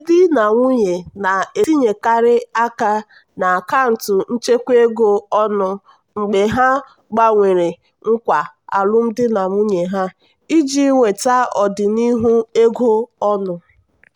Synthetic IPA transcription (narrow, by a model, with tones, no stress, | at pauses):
dɪ˦na˨ŋʷu˦ɲe˨na˨e˨˦i˦ɲe˨ka˨ɾɪ˦a˦ka˦ | na˨ka˦n̩˨tʊ˨n̩˦t͡ʃe˦kʷe˦ɡo˦ɔ˦nʊ˨ | ŋ͡m̩˨ɡ͡be˨ɦa˦ | ɡ͡ba˦ŋʷe˨ɾe˨ | ŋ̩˦kʷa˨a̰˨lʊ˦m̩˦dɪ˦na˨ŋʷu˦ɲe˨ɦa˦ | i˦d͡ʒi˦ŋʷe˨ta˦ɔ˨dɪ˨ni˦ɦu˦e˦ɡo˦ɔ˦nʊ˨